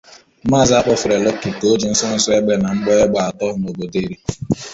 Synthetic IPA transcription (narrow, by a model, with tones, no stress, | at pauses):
ma˦˨za˦k͡pɔ˦fʊ˨ɾe˨le˦kːi˨ko˦d͡ʒi˨n̩˦sɔ˦n̩˦sɔ˦e˦ɡ͡be˦na˨ŋ͡m̩˦ɡ͡bɔ˦e˦ɡ͡ba˨a˨tɔ˦ʊ˨˦no˨bo˨de˦ɾi˦